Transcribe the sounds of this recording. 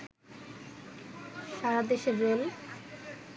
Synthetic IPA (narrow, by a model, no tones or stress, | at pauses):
ʃaɾad̪eʃebel